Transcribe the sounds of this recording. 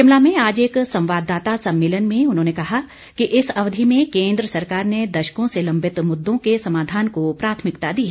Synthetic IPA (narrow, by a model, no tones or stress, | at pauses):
ɪmlamẽaːd͡ʒeːksɐ̃w̃ʋaːd̪ːaːt̪asɐ̃mːeːlənmẽʊn̤ɦõːnekɐɦa | kiʔɪsɐʋd̪ʱimẽkẽːnd̪ɾəsɐɾkaːɾned̪ɐʃə̥kõselɐ̃mbʱɪt̪mʊd̪ːõkesɐmaːd̪ʱaːnkopɾaːt̪ʰmɪkt̪ad̪iɦ